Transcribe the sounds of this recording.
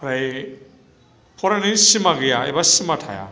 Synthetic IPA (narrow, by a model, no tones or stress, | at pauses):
ɾaj | pʰɔɾaninsimaɡejaḛbasimatʰa̰ja̰